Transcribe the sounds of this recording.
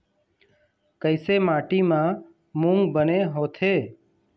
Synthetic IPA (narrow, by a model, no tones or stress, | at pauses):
kəɪseːmaːʈiːmãː | mũŋɡbəneːɦoːt̪ʰeː